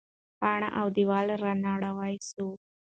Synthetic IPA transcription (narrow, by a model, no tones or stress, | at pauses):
paɳaʔawd̪iʋaːlɾanaɽaʋajsu